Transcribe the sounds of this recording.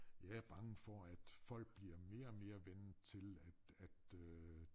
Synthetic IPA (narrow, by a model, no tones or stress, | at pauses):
jɑ̈ɪæɐb̥ɑ̈ŋəfɒæd̥fɒ̽l̰ɡ̥̚b̥liɐme̝ːɐɒme̝ːɐʋen̩t͡sʰe̝læ̥æd̥ø